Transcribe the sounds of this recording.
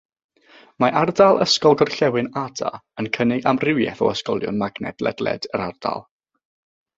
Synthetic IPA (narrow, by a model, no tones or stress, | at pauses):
maʔardalˠə̰skɔlˠɡɔrɬɛwɨnada̰ənkʰənɪɡamrɪwjɛ̰θɔ̰əskɔlˠjʊ̰nmaɡnɛ̰dlˠɛ̰dlɛ̰d̥əɾarda̰lˠ